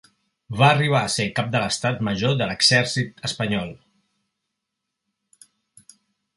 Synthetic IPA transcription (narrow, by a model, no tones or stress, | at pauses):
βaːriβ̞aəsekap̚d̪ələst̪at̪məʒoðələɡz̥ɛɾsit̪əspəɲɔlˠ